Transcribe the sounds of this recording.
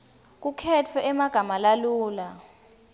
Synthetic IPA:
k̬ukʰɛtʰɔʔɛmaɡ̥ʱamalaluːla

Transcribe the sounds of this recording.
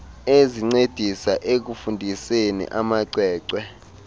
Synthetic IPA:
eziŋ͡ǀed̥ʱisaʔek̬ufundʱisenḭʔamaǀɛːǀwɛ

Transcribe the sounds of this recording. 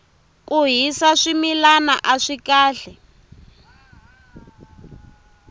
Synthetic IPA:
kuɦisaʂimilana̰ʔaʂikaːɬɛ

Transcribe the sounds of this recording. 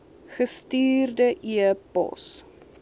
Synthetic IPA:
χəstiːrdəʔiəpɔ̰s

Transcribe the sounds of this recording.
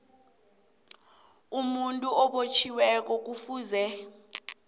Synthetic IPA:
umuntʼuɔɓot͡ʃʰiwɛk̬ʼɔk̬ufuːzɛ

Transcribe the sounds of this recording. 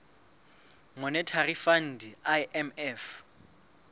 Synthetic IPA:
mɔnɛtʰarifan̩dʱiaʔɛmɛf

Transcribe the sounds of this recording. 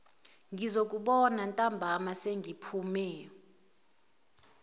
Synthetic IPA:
ŋɡʱizok̬ʼuɓɔnantʼambʱamaseŋɡʱipʰumɛːɔ

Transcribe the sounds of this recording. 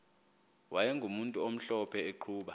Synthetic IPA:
wʔajɛŋɡʱumuntʼuom̩ɬɔpʰɛeǃʰuːɓa

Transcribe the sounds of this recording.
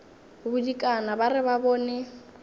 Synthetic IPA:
bʊdikʼanabarɪβabɔːnɛ

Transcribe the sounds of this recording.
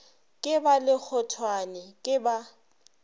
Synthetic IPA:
kʼɪbalɪk͡xʰɔtʰwanɪkʼɪba

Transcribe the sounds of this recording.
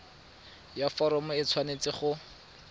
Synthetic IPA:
jafɔɾɔmʊɪt͡sʰwanet͡sɪχʊ

